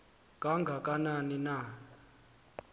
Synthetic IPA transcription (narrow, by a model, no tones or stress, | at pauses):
k̬ʼaŋɡʱakʼananina